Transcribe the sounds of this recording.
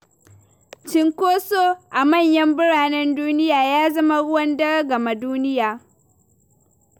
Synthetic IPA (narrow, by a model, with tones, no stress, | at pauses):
t͡ʃɪ˦ŋkʷoː˦soː˦ʔa˨mɐ˦˨ɲjɐ˦mbɪ˦ɽaː˨nɛ˦nduː˦nɪ˦jaː˨jaː˦zɐ˦ma˦ɽʊ˦wɐ˦ndɐ˦ɽɐ˦ɡɐ˨ma˨duː˦nɪ˦jaː˨